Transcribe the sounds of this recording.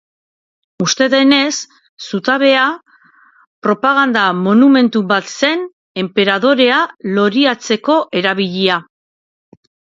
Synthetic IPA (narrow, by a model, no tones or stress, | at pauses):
ust̪e̞ðe̞ne̞sː | ut̪aβe̞a | pɾo̞paɣ̞and̪amo̞nume̞nt̪ubat̪se̞n | e̞mpe̞ɾaðo̞ɾe̞alo̞ɾiat͡se̞ko̞ʔe̞ɾaβ̞iʎia